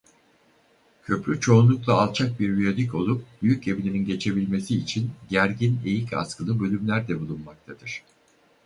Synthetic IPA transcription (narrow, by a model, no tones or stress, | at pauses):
cʰø̞pɾʲyt͡ʃʰo̞unlˠuklˠaːlˠt͡ʃʰak̚biɾːyod̪ic̬o̞lˠup̚byjyc̚e̞vinʲininɟe̞t͡ʃʰe̞bilʲme̞siːt͡ʃʰinɟæɾɟine̞jicʰa̰skʰɯlˠɯbø̞lʲymlʲæɾd̪ɛbulˠunmak̚t̪ʰad̪̥ɯɾ̝̥